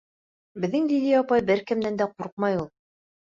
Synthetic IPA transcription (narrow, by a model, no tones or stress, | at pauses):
bɘ̆ðːɘŋd̪ilɘjɑpɑjbɘɾkɘ̆md̪ænd̪æquɾq̚mɑjulˠ